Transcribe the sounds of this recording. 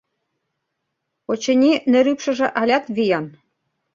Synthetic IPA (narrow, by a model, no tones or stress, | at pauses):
ot͡ɕɘ̆nʲinɘ̆ɾypʃɘ̆ʒɘ̆ʔɑlʲɑt̪βijɑn